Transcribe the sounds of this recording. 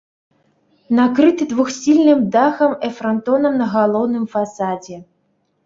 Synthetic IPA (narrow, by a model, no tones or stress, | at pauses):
nakɾɨt̪ɨd̪vuxsʲilʲnɨmd̪axɐmɛfɾant̪ɔnɐmnɐɣalˠɔwnɨmfasad͡zʲɛ